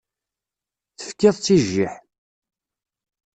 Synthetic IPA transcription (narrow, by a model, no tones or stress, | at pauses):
θə̥fkːɪðˤt͡sːiʒːɪħ